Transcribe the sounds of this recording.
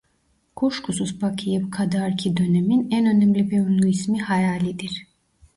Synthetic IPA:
kʰoʃkʰusuzbakʰɯjɯpkʰad̪aɾcʰid̪ø̞neminænø̞næmlʲibeunlʲˠyismihajaːlʲid̪iɾ̥

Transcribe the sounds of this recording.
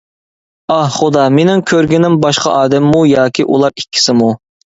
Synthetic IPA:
ɑhχʊd̪ɑmenɪŋkʲʰøɾɡʲinɪmbɑʃqʰɑ̰ʔɑːd̪ɛmːujɑːkʲʰiʔṵlˠɑɾikʲʰːi̥sɪmu

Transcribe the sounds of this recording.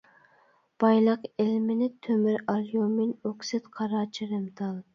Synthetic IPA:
b̥ɑjlˠəqelmɪnɪt̪ʰømɪɾɑljomɪnoksɪt̪qʰɑɾɑːt͡ʃʰiɾɨmt̪ɑlˠ

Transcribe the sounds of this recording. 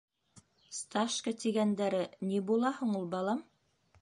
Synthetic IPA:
st̪ɑʃkət̪iɡænd̪æɾɘnibulˠɑhɤɴulˠbɑlˠɑm

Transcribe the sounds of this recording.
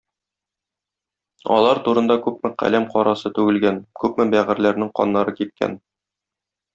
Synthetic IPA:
ɒ̰lˠɑɾt̪uɾɤ̆nd̪ɑkʉp̚mɘqæ̰læmqɒɾɑsɤt̪ʉɡɘ̆lɡænkʉpmɘbæʁɘ̆ɾlæɾnɘŋqɒ̰nːɑɾɤkip̚kæ̰n

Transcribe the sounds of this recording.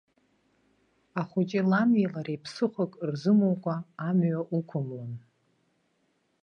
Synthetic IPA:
aχʷʊt͡ʃʼɪlamjelaɾejpʰsɨχʷakʼrzɨmowkʷʼaːmɥaʔukʷʰʊmlɨn

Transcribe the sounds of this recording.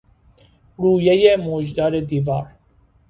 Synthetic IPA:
ɾuːjɛjemod͡ʒd̪ɑːɾed̪iːvɑ̰ːɾ

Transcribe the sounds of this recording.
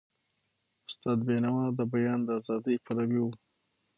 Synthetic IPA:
ʊst̪ɑːd̪̚benawɑd̪əbajɑnd̪əːzɑd̪əjpalawiwu

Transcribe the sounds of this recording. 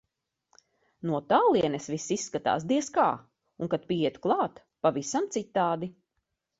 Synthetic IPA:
nuɔt̪aːlˠiɛnɛsvisːisːkat̪a̰ːs̬d̪iɛskaː | uŋkat̪̚pʲiiɛt̪u̥klˠɑːt̪ | pavisamt̪sit̪ːaːd̪i

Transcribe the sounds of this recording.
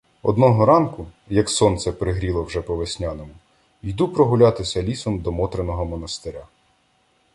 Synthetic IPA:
ɔ̰d̪nɔɦɔɾɑnkʊ | jɐksɔnt̪sɛpɾɪɦɾʲilˠɔwʒɛpɔʋesʲnʲanɔmʊ | jd̪upɾɔɦʊlʲat̪ɪsʲɐlʲisɔmd̪ɔmɔt̪ɾenɔɦɔmɔnɐst̪ɪɾʲa

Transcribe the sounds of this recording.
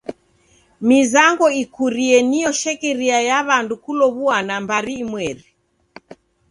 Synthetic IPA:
mizaŋɡɔikuɾiɛnijɔʃɛkɛɾiajaβandukulɔβuanambaɾiːmwɛɾi

